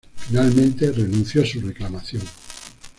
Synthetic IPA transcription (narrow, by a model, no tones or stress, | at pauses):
finalmẽ̞nt̪e̞renũnθjosure̞klamaθjoŋ